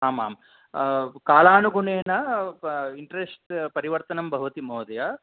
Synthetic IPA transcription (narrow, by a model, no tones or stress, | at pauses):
ɦaːma̰ːm | kaːlaːnuɡuɳeːnɐ | iɳʈɾesʈpɐɾiʋɐɾt̪ɐnɐmbʱɐɦuʋɐt̪imoːd̪ɐjɐ